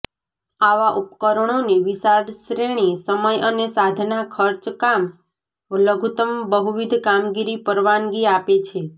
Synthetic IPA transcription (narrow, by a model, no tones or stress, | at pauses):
aʋaʔupkəɾəɳ̃oniʋisaɾʃɾeɽ̃isəməjʔənesad̪ʱnakʰəɾt͡ʃkam | ləɡʱut̪əmbəɦuʋid̪ʱkamɡiɾipəɾʋanɡiapet͡ʃʰe